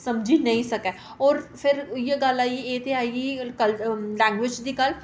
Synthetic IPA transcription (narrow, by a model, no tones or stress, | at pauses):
səmd͡ʒinəĩsəkɛː | ɔːɾpʰɪɾjeɡəlaːieːt̪ʰeaːiɡikəllɛ̃ːŋɡʋɪd͡ʒd̪iːkəl